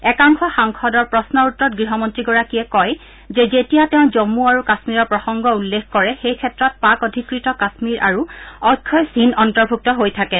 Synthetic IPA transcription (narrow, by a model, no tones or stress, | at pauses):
ɛkaŋxʰɔxaŋkʰɔdɔɹpɹɔsnɔɹutɹɔt̚ɡɹiɦɔmɔntɹiɡɔɹakiɛkɔj | zɛzetijatɛ̃ʊ̃zɔmuaɹukasmiɹɔɹpɹɔxɔŋɡɔulːekkɔɹɛxejkʰɛtɹɔt̚pakɔdʱikɹitɔkasmiɹʔa̰ɹuɔjkʰːɔjsinɔntɔɹbʱuk̚tɔɦojtʰakɛ